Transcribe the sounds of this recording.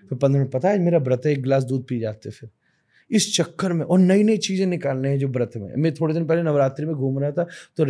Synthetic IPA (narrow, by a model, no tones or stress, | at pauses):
fʰɪɾpɐ̃nd̪ɾm̃pɐt̪ad͡ʒmeːɾabɾət̪ɦeːk̚ɡlaːs̬d̪uːd̪̚piːd͡ʒa̰ːt̪ɛfʰɪɾ | ɪst͡ʃɐkːəɾmẽʔɔːɾnɐinɐit͡ʃiːzẽnɪkaːlneɦɛ̃d͡ʒoːbɾət̪ʰmḛ̃mɛ̃t̪ʰoːɽed̪ɪnpɛɦlenɐʋɾaːt̪ɾimẽɡʱuːmɾɐɦat̪ʰat̪o